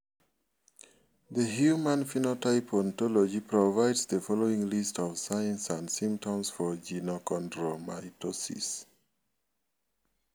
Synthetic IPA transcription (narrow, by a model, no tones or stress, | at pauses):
ðəhjumãnfinotaɪpʰɔ̃ntɔlɔd͡ʒipʰɹɔvaɪdsðəfɔloĩŋlistʰɔvsajãnsãndsĩmp̚tɔ̃msfɔd͡ʒinokɔ̃ntɹomaɪtʰɔsḭs